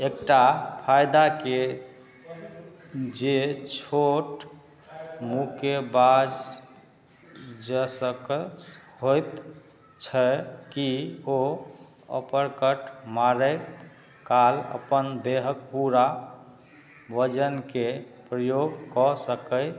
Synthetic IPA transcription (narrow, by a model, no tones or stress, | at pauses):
ekʈapʰajd̪ake | d͡ʒet͡ʃʰoʈ | mukebad͡ʒ | d͡ʒəsək | ɦojt̪ | t͡ʃʰəkio | ə̰pəɾkəʈmaɾət̪ | kalə̰pənd̪eɦək̚puɾa | bəd͡ʒənkepɾəjoɡkɔsəkəj